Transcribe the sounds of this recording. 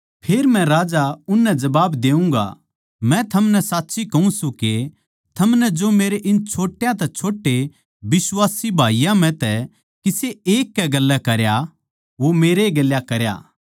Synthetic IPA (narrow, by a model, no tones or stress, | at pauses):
pʰeːɾmɛ̃ɾaːd͡ʒaʊnːɛd͡ʒɐbaːbd̪eːũŋɡa̰ | mɛ̃t̪ʰɐmnɛsaːtːsikɐũsũke | t̪ʰɐmnɛd͡ʒoːmeːɾeʔɪnt͡ʃʰoːʈːjãt̪ɛt͡ʃʰoːʈːe | bɪsʋaːsibʱaːijãmɛ̃t̪ɛ | kiseeːkːɛɡɐlːɛkɐɾja | ʋomeːɾeɡɐljakɐɾja̰ː